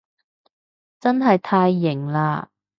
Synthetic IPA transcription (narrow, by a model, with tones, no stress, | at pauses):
t͡sɐ˥nɦɐ˨jt̪ʰaː˧jːɪ˨˩ŋlaː˧